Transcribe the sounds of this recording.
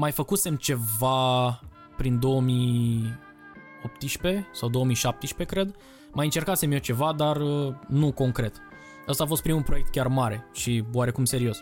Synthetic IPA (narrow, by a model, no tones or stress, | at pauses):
majfəkuse̞mt͡ʃe̞va | pɾind̪o̞əmi | opt̪iʃpe̞sawd̪o̞omiʃap̚t̪eʃpe̞kɾe̞d̪ | majɨnt͡ʃe̞rkase̞mjet͡ʃe̞vad̪arənuko̞ŋkɾe̞t̪ | əst̪aːfost̪̚pɾimulpɾoe̞k̚t̪̚kʲarmaɾe̞ʃioaɾe̞kumse̞ɾio̞s